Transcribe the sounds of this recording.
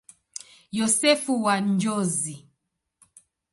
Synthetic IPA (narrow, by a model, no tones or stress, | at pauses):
jɔsɛfuwand͡ʒɔzi